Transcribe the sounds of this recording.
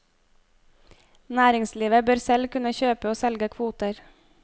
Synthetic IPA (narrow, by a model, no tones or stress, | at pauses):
næːɾɪŋsliːʋəbøːɾsɛlkʉnəçøːpəoːsɛlɡəkʰʋuːt̪əɾ